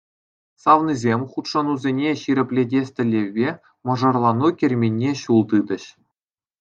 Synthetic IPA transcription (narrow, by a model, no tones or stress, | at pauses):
sɑʋnizʲemʲχut̪ʂɤ̆nuzʲenʲeɕiɾʲɘ̆pʲlʲedʲesʲtʲɘ̆lʲːeʋʲːe | mɤ̆ʐɑrlˠɑnukʲĕrʲmʲenʲːeɕulˠd̪ɯd̪ɘ̆ɕ